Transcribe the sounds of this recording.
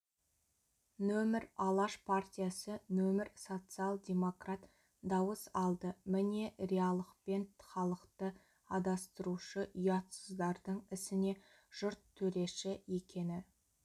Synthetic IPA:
nɵmɪɾɑlˠɑʃpʰart̪ʲijasənɵmɪɾso̞t̪sɨalˠd̪ʲe̞mo̞krat̪ | d̪ɑwəsɑlˠd̪əmɪne̞ɾejɑlˠəqpe̞nt̪χɑlˠəqt̪ə | ɑd̪ɑst̪əɾuʃəʔʏjɑt̪səzd̪ɑɾd̪əɴɪsɪne̞ | ʒ̥ʊɾt̪ʰːɵɾe̞ʃɪje̞kʲe̞nɪ

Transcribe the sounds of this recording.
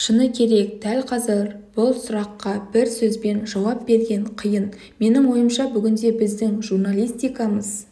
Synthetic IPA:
ʃənəkʲʰe̞ɾe̞k̚d̪̥ælqʰɑzəɾb̥ʊlˠsʊɾɑqːɑbɪɾsɵzbe̞nʒɑwɑpbe̞ɾɡʲe̞ɴqʰəjən | me̞nɪŋwo̞jəmʃɑbʏɡʲɪnd̪e̞bɪzd̪ɪŋʒurnalʲˠijst̪ijkɑməz̥

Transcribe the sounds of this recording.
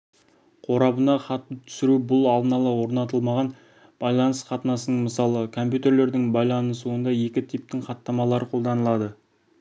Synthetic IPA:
qʰo̞ɾɑbənɑχɑt̪ːət̪ʰʏ̥sɪɾubʊlˠɑlˠd̪ənɑlˠəwo̞ɾnɑt̪̬əlˠmɑʁɑn | b̥ɑjlˠɑnəsqɑt̪ənɑsənəɴməsɑlˠəkʰo̞mp̬ʲjut̪e̞ɾle̞ɾd̪ɪŋbɑjlˠɑnəsuənd̪ɑje̞kʲɪt̪ʰip̚t̪ɪŋχɑt̪ːɑmɑlˠɑɾəqʰo̞lˠd̪ɑnəlˠɑd̪ə

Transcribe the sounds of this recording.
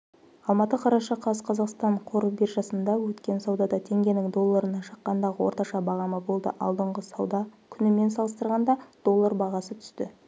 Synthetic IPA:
ɑlˠmɑt̪əqʰɑɾɑʃɑqʰɑzəqʰɑzɑqst̪ɑɴqʰo̞ɾəbeɾʒɑsənd̪ɑwɵt̪kʲe̞nsɑwd̪ɑd̪ɑt̪ʰe̞ŋɡʲe̞nɪŋd̪o̞lˠːɑɾənɑʃə̥qːɑnd̪ɑʁəwʔo̞̰ɾt̪ɑʃɑbɑʁɑməbo̞lˠd̪ə̰ʔɑ̰lˠd̪əɴʁəsɑwd̪ɑkʲʰʏnɪme̞nsɑlˠəst̪əɾʁɑnd̪ɑd̪̥o̞lˠːɑɾbɑʁɑsət̪ʰʏ̥st̪ɪ̰

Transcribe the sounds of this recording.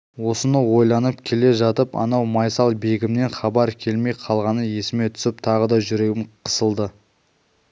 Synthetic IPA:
wo̞sənəwo̞jlˠɑnəpkʲʰe̞le̞ʒɑt̪əpɑ̰nɑwmɑjsɑlˠbe̞ɡʲɪmne̞nχɑbɑɾkʲʰe̞lme̞jqʰɑlˠʁɑnəje̞sɪme̞t̪ʰʏ̥sɪp̚t̪ʰɑʁəd̪ɑʒʏɾe̞ɡʲɪmqʰə̥səlˠd̪ə

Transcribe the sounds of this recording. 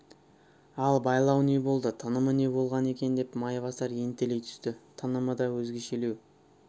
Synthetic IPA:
ɑlˠbɑjlˠɑwne̞bo̞lˠd̪ət̪ʰɑnəməne̞bo̞lˠʁɑne̞kʲe̞nd̪e̞pmɑjvɑsɑɾe̞nt̪e̞le̞jt̪ʰʏ̥st̪ɪt̪ʰɑnəməd̪ɑwɵzɡʲe̞ʃele̞w

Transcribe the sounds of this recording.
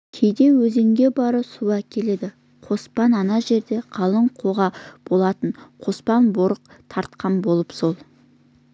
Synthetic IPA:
kʲʰejd̪e̞wɵze̞ŋɡʲe̞bɑɾəsuɑkʲʰe̞le̞d̪ɪ | qʰo̞spɑnɑnɑʒe̞ɾd̪e̞qʰɑlˠəɴqʰo̞ʁɑb̥o̞lˠɑt̪əɴqʰo̞spɑnbo̞ɾəqt̪ʰɑɾt̪̚qɑnbo̞lˠəpso̞lˠ

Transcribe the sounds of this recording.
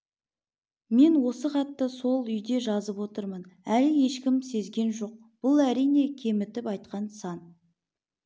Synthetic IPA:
me̞nwo̞səqɑt̪ːəso̞lˠʏjd̪e̞ʒɑzəpwo̞t̪əɾmənælɪje̞ʃkʲɪmse̞zɡʲe̞nʒo̞q̚ | b̥ʊlˠæɾijne̞kʲʰe̞mɪt̪ɪpɑjt̪̚qɑnsɑn

